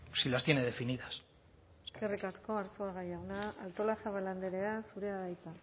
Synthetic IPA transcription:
silast̪jeneðe̞finiðas | eskerikasko̞aɾsoaɣajawnaalt̪o̞lasaβaland̪eɾe̞asuɾe̞aðajt͡s̪a

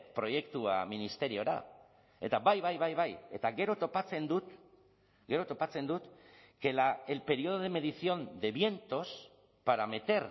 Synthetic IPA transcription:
pɾo̞je̞kt̪ua̰minist̪e̞ɾio̞ɾa̰ | e̞̰t̪aβajβajβajβaje̞t̪aɣe̞ɾo̞t̪o̞pat͡se̞nd̪ut̪ | ɡe̞ɾo̞t̪o̞pat͡se̞nd̪ut̪ke̞laelpe̞ɾio̞ð̞oðeme̞ð̞isio̞nd̪e̞βje̞nt̪o̞s | paɾame̞t̪e̞ɾ

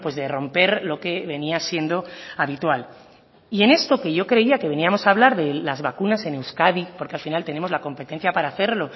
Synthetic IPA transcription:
pwe̞zðe̞ro̞mpe̞ɾlo̞ke̞βe̞niasje̞nd̪o̞aβit̪wal | ie̞ne̞st̪o̞ke̞ʝo̞kɾe̞iake̞βe̞niamo̞saːβlaɾðe̞lazβakunase̞ne̞wskaðipo̞ɾkealfinalt̪e̞nemo̞zlako̞mpe̞t̪e̞n̟θjapaɾaːθe̞ɾlo̞

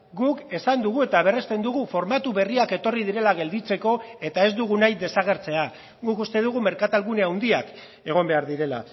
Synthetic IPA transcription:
ɡuke̞sand̪uɣ̞ue̞t̪aβ̞e̞re̞st̪e̞nd̪uɣufo̞ɾmat̪uβe̞riake̞t̪o̞riðiɾe̞laɣ̞e̞ld̪it͡se̞ko̞e̞t̪ae̞zd̪uɣ̞unajd̪e̞saɣ̞e̞ɾt͡se̞a | ɣukust̪e̞ð̞uɣ̞ume̞ɾkat̪alɣune̞awnd̪iak | e̞ɣ̞o̞mbe̞aɾðiɾe̞la̰

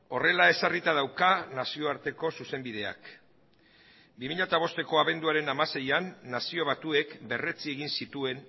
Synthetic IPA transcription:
o̞re̞lae̞sarit̪að̞awkanasio̞aɾt̪e̞ko̞suse̞mbið̞e̞a̰k | bimiʎat̪aβ̞o̞st̪e̞ko̞aβe̞nd̪uaɾe̞namase̞janːasio̞βat̪ue̞kbe̞re̞t͡sie̞ɣinsit̪ue̞n

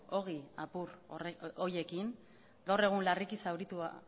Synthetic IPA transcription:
o̞ɣiapuroje̞kiŋ | ɡawre̞ɣ̞unlarikisawɾit̪ua̰

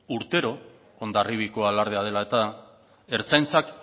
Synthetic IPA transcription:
uɾt̪e̞ɾo̞ | ond̪ariβiko̞alaɾð̞eað̞e̞lae̞t̪a | e̞ɾt͡sajnt͡sak

